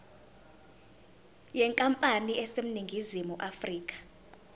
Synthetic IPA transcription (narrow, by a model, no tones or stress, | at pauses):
jɛŋkʼampʼaniɛsem̩niŋɡʱizimuʔafriːkʼḁ